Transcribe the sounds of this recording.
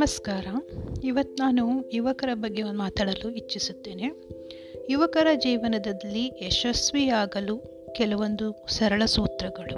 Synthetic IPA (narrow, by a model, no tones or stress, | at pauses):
ɐmɐskaːɾɐiʋɐt̪ːunaːnujuʋɐkɐɾɐbɐɡːeond̪maːt̪aːɽɐluit͡ʃːisut̪ːe̞ːne | juʋɐkɐɾɐd͡ʒiːʋɐnɐd̪ɐlːiɛʃɐsʋijaːɡɐlu | kɛlɐʋo̞nd̪usɐɾɐɭɐsuːt̪ɾɐɡɐɭu